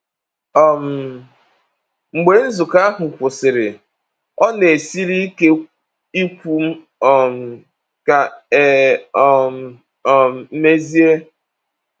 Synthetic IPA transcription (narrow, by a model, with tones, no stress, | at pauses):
ɔ˨m̩˨ | ŋ͡m̩˨ɡ͡be˨˦n̩˦zʊ˨ka˦a˦ɦʊ˨kʷʊ˨sɪ˨ɾɪ˨ | ɔ˦ne˨si˦ɾi˦ke˦ | i˦kʷu˨m̩˦ | ɔ˨m̩˨ | ka˨˦ | m˨ | m̩˨m̩˦me˦zi˦e˦